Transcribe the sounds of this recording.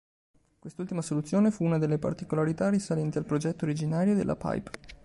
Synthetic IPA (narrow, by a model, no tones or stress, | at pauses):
kwest̪ult̪imasolut̪sːjoːnefuunad̪elːepa̰rt̪ikolaɾit̪arisalɛnt̪ialpɾod͡ʒɛt̪ːoɾid͡ʒinaːɾjod̪ḛlːʔa̰pa̰jp